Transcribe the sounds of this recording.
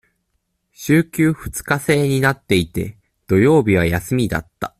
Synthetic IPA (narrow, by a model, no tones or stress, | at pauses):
ɕɨːkʲɨːɸɯ̟̥t͡sɨ̥kase̞ːɲ̟inat̪ːe̞it̪e̞̰ | d̪̥o̞jo̞ːbʲiβ̞ajasɨmʲid̪a̰t̪ːa̰